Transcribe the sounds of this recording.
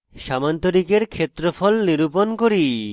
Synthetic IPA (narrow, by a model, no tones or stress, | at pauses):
ʃamant̪oɾikeɾkʰet̪ːɾofʰɔlniɾuponkoɾi